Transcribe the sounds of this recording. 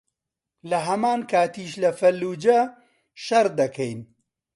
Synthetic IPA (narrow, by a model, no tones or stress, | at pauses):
lɐɦɐmaːnkʰaːt̪iːʃlɐfɐlːuːd͡ʒɐ | ʃɐɾd̪ɐkʰɐjn